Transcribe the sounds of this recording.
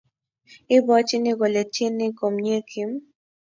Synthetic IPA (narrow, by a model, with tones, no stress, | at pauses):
ɪ˦bɔ˦t͡ʃɪ˦nɪ˦ɡo˨le˨te˦nɪ˦ko˨mɲe˦kʰi˨˦m